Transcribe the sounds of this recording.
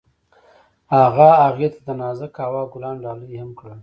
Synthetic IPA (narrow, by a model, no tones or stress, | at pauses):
haɣaːɣjat̪ad̪anɑzakɑwɑɡʊlɑːnɖɑləjhamkɽa